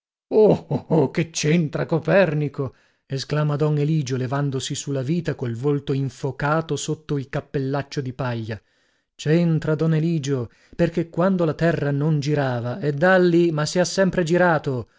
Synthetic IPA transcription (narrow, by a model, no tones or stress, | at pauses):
ook̟et͡ʃːent̪ɾakopɛrniko | esklaːmad̪ɔneliːd͡ʒolevand̪osisulːaviːt̪akolvolt̪oiɱfokaːt̪osot̪ːoilkapːelːat͡ʃːod̪ipaʎːa | t͡ʃent̪ɾad̪ɔneliːd͡ʒo | perkekːwand̪olat̪ɛrːanond͡ʒiɾaːvaed̪ːalːimasːiasːɛmpɾed͡ʒiɾaːt̪o